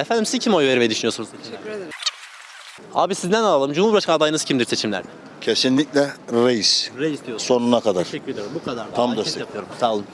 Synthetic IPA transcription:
efænd̪imsizcʰimo̞jveɾimɛd̪yʃynijo̞snuz | a̰ːbisizd̪ænalˠalˠɯmd͡ʒumuɾbiɾaʃkad̪ajɯnɯz̥cʰimd̪iɾset͡ʃʰimlʲæ̰ɾd̪ɛ | cʰe̞sinlʲiclʲɛɾejisɾeiso̞nunakʰad̪aɾɛyɾed̪eɾbukʰad̪aɾt̪ʰamd̪ɛst̪ʰɛpɯjoɾumsaːlˠɯm

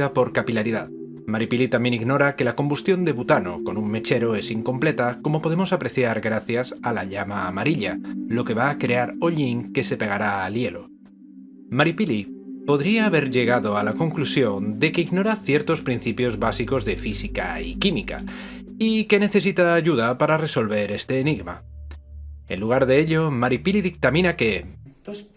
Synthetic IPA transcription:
apo̞ɾkapilaɾiðað | maɾipilit̪amje̞niɣno̞ɾake̞lako̞mbust̪jo̞nd̪e̞βut̪ano̞̰ko̞nuŋme̞t͡ʃe̞ɾo̞e̞siŋko̞mple̞t̪ako̞mo̞po̞ðe̞mo̞sapɾe̞θjaɾɣɾaθjasala̰ʎamaːmaɾiʎalo̞ke̞βaːkɾe̞aɾoʎiŋke̞se̞peɣ̞aɾaːlje̞lo̞ | maɾipilipo̞ðɾiaːβe̞ɾʎe̞ɣ̞aðo̞alako̞ŋklusjo̞nd̪e̞keiɣno̞ɾaθje̞ɾt̪o̞spɾinθipjo̞zβasiko̞zðe̞fisika̰ḭkimika̰ | ike̞ne̞θe̞s̬it̪aːʝuðapaɾare̞so̞lβe̞ɾe̞st̪e̞ːniɣma̰ | e̞̰nluɣ̞aɾðe̞eʎo̞maɾipiliðik̚t̪amĩnake̞

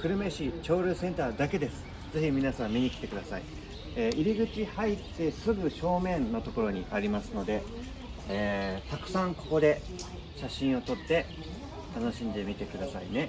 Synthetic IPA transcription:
kɯ̟ɾɯ̟me̞ɕit͡ɕo̞ːɾʲɯ̟sẽ̞nt̪aːd̪ake̞d̪e̞sɨ̥ | d͡ze̞çimʲinasãmːʲiɲ̟ikʲt̪e̞kɯ̟d̪asa̰ḭ | eːʔiɾʲiɡɯ̟t͡ɕihait̪ːe̞sɨɡɯ̟ɕo̞ːmẽ̞nːo̞t̪o̞ko̞ɾo̞ɲ̟iʔaɾʲimasɨno̞d̪e̞ː | t̪akɯ̟̥sãŋko̞̥ko̞d̪e̞ | ɕaɕĩɰ̃o̞t̪o̞t̪ːe̞ | t̪ano̞ɕĩnd̪e̞mʲit̪e̞kɯ̟d̪asaine̞

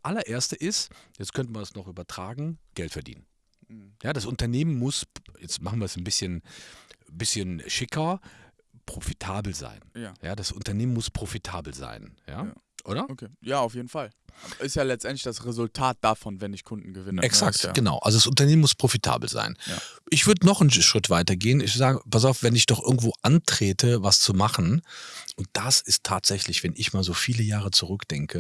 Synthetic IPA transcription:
ʔalɐʔeːɐstəʔɪstjɛt͡stkʰœntəmaɐdsnɔχʔyːbɐtʁ̥aːɡŋ̩ɡ̥ɛltfɛɐdḭːnən | jaːdasʔʊntɐneːmənmʊsjɛt͡stma̰χn̩viːɐsnbɪsçən | bɪsçənʃɪkʰɐ | pʁ̥ofitʰaːbl̩za̰ɪnːja̰ːdasʔʊntɐneːmənmʊspʁ̥ofitʰaːbl̩za̰ɪnja̰ː | ʔoːɾɐkʰeːjaːaʊfjeːdn̩falʔɪstjaːlɛt͡stʔɛntlɪçd̥asʁezʊltʰaːt̚d̥afɔnvɛnɪçkʰʊndn̩ɡəvɪnəɛksak̚tɡ̥ənaʊʔa̰lzodasʊntɐneːmənmʊspʁ̥ofitʰa̰ːbl̩za̰ɪnʔɪçv̥ʏɐdənɔχnʃʁ̥ɪtv̥aɪtɐɡeːənɪçz̥aːɡəpas̬aʊfv̥ɛnɪçd̥ɔχʔɪ̰ɐɡŋ̩tv̥oːʔantʁ̥eːtʰəvast͡sumaχn̩ʔʊnt̚d̥asɪstʰːaːtz̥ɛçlɪçv̥ɛnʔɪçmaːlzoːfiːləjaːʁət͡suʁʏkd̥ɛŋkʰə

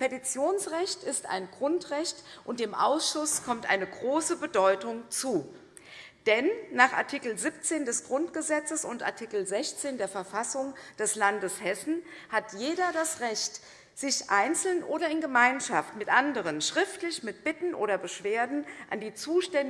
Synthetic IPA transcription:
pʰetit͡sjoːnsʁɛçtɪsta̰ɪnɡʁʊntʁɛçtʔʊnt̚d̥eːmʔa̰ʊsʃʊskʰɔmtʔa̰ɪnəɡʁoːsəbədɔʏtʊŋt͡suː | d̥ɛnːaːχa̰ɐtʰiːkl̩zip̚t͡seːndɛsɡ̥ʁʊntɡ̥əzɛt͡səsʊntʔa̰ɐtʰikl̩zɛçt͡seːndeːɐfɛɐfasʊŋd̥ɛslandəshɛsn̩hatʰjeːdɐdasʁɛçt | z̥ɪçʔaɪnt͡sl̩nʔoːɾɐɪnɡəmaɪnʃaftmɪtʔandəʁ̞ənʃʁ̥ɪftlɪçmɪt̚b̥ɪtn̩ʔoːɾɐbəʃv̥eːɐdn̩ʔandiːt͡suːʃtɛn

